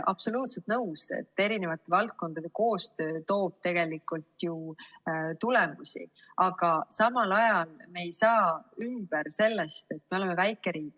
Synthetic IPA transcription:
ʔɑ̰b̥so̞luːt̪set̪nɤwsḛt̪ːe̞ɾine̞vɑt̪ːˑe̞vɑlt̪̚ko̞nd̪̥ɑd̪e̞ko̞ːst̪ø̞ːt̪o̞ːb̥̚t̪e̞ɡ̥e̞likˑult̪ju | t̪ulemusʲḭ | ɑɡ̥ɑsɑmɑlɑjɑlme̞ːjsɑːymb̥erse̞lːe̞st̪e̞t̪̚ːmeo̞le̞me̞væjkːˑe̞ɾiːkˑ

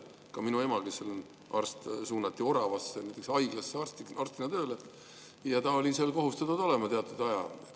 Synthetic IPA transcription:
kɑminue̞mɑlɡesːeln | ɑ̰rst̪suːnɑt̪ːio̞ɾɑvɑsːenæjt̪ːˑeksɑjɡ̥lɑsːeɑrst̪ɑrst̪inɑt̪ø̞ːle | jɑt̪ɑo̞lʲiselko̞ɦust̪ɑt̪ːud̪o̞lemɑt̪e̞ɑt̪ːˑud̪ɑjɑ

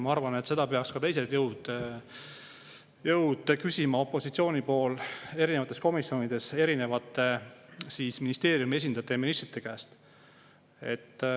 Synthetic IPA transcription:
mɑɑrvɑne̞t̪se̞d̪ɑpe̞ɑkskɑt̪e̞js̬e̞t̪jɤwd̪̥ | jɤwd̪̥kysʲimɑo̞pːˑo̞sit̪sio̞ːnipo̞ːle̞ɾinevɑt̪ːˑe̞sko̞misːo̞ːnid̪̥e̞se̞ɾine̞vɑt̪ːˑe̞siːsminist̪e̞ːɾjumie̞s̬ʲind̪̥ɑt̪ːˑejɑminist̪rit̪ːˑekæːst̪ | e̞t̪ː

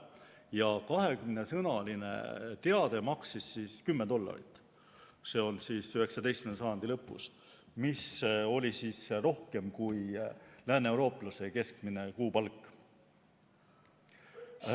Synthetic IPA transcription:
jɑkɑɦe̞kymne̞sɤnɑline̞̰t̪e̞ɑd̪e̞mɑksisːiːskymːed̪̥o̞lːɑ̰ɾḭt̪ːˑ | se̞ːo̞nsisyhe̞ksɑd̪est̪mmnsɑjɑnd̪ilɤpːˑṵs | miso̞lʲisiːsro̞hke̞mkujlæːne̞uwɾo̞ːplɑse̞ke̞skmine̞kuːpɑlkːˑ

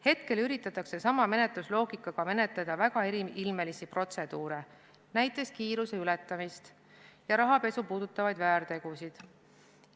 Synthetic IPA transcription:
he̞t̪ke̞lyɾit̪ːˑɑt̪ːˑɑkse̞sɑmɑme̞ne̞t̪luslo̞ːɡ̥ikːˑɑɡ̥ɑme̞ne̞t̪ˑːɑd̪̥ɑvæɡ̥ɑeɾiilme̞lisipro̞t̪se̞d̪̥uːɾe | næjt̪ːˑe̞skiːɾuse̞ylɛt̪ːˑɑmist̪ | jɑɾɑɦɑpe̞supuːd̪ut̪ːˑɑvɑjd̪væːɾt̪e̞ɡ̥usid̪̥

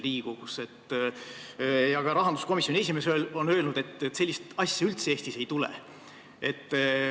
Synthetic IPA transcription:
liːɡ̥ukuset̪ːˑ | jɑɡ̥ɑɾɑɦɑnd̪usko̞misʲjonʲiesʲimesøːlonø̞ːlnud̪̥e̞t̪ːˑse̞lʲːist̪ɑsʲjɑylt̪seeːst̪ise̞jt̪ulḛ | e̞t̪ː

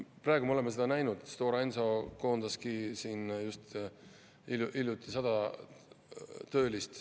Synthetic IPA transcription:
prɑːeɡumeo̞lemːese̞d̪̥ɑnæjnud̪̥st̪o̞ːɾɑenso̞ko̞ːnd̪̥ɑskisiːnjust̪ | ilʔiljut̪ːˑi̥sɑd̪̥ɑ | t̪ø̞ːlist̪

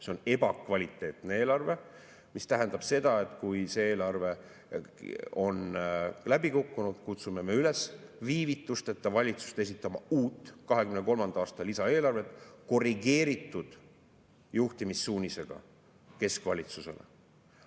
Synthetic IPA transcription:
se̞o̞ne̞bɑkvɑlʲit̪ːˑe̞ːt̪ˑne̞e̞ːlɑrve̞ | mist̪æɦend̪ɑb̥se̞d̪̥ɑe̞t̪ːˑkujse̞e̞ːlɑrve̞ | o̞nlæbikukːunud̪̥kut̪sume̞me̞yle̞sviːvit̪ːˑust̪et̪ːɑvɑlʲit̪su̥st̪e̞s̬it̪ːˑɑmɑuːt̪ːˑkɑɦe̞kymneko̞lmɑnd̪̥ɑːst̪ɑlisɑe̞ːlɑrve̞t̪ːˑko̞riɡe̞ːɾit̪ːˑud̪̥ | juht̪imisːuːnʲise̞ɡ̥ɑ̰ | ke̞skvɑlʲit̪suse̞̰lḛ

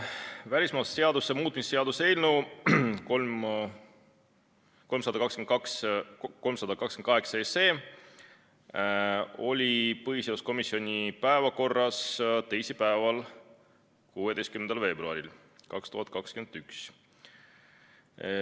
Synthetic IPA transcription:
vælʲismɑːsse̞ɑd̪̥usːemuːt̪ˑmisse̞ɑd̪use̞jlnuko | ko̞lmsɑd̪̥ɑkɑkskymekksko̞lmsɑd̪ɑkɑkskmnkɑɦeksɑese̞ː | o̞lʲipɤhiseɑwsko̞misio̞nʲipæevɑko̞rːɑst̪e̞jsipæevɑl | kuːe̞d̪e̞jskymnend̪ɑlve̞ːbɾuɑ̰ɾil | kɑkst̪uhɑt̪̚kɑkskymend̪yks

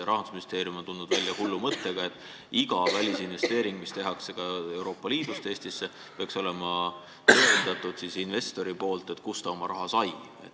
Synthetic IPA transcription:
ɾɑɦhɑnd̪u̥sminist̪e̞ːɾiumo̞nt̪unud̪vælʲːjɑhulːumɤt̪ːe̞ɡ̥ɑe̞t̪ːˑ | iɡɑvælʲisinve̞st̪e̞ːɾiŋɡ̥̚mist̪e̞ɦɑkse̞kɑe̞wɾo̞ːpːˑɑliːd̪̥ust̪eeːst̪isːe̞ | peɑkso̞le̞mɑ | t̪eend̪̥ɑt̪ːˑud̪̥sisinve̞st̪o̞ɾipo̞ːlt̪ˑe̞t̪kust̪ɑo̞mɑɾʔɑɦɑsɑj | ḛt̪ːˑ

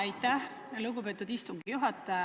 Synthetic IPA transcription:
ɑjt̪ːæh | luɡubet̪ːud̪ist̪uŋɡijuɦɑt̪ːˑɑ

